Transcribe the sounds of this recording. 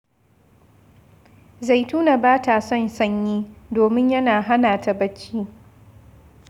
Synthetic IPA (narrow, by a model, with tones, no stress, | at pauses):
za˨jtuː˦na˨baː˦ta˨sɔ˦nsɐ˦ɲjiː˦doː˨mɪ˦ɲjɐ˦naː˨ɦa˦naː˨ta˨bɐ˦t͡ʃːiː˦